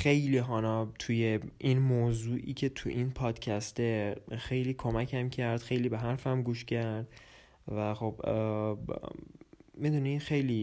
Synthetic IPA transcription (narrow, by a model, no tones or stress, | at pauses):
xe̞jliːɦɒːnɒːt̪ʰuje̞ʔinmoːzuːʔiːcʰe̞t̪ʰuʔinpʰɒːd̪̥cʰæst̪e̞xe̞jliːkʰo̞mæcʰæmcʰæɾd̪̥xe̞jliːbeɦæɾfæmɡuːʃcʰæɾd̪̥ | væxo̞b̥ | mid̪unixe̞jliː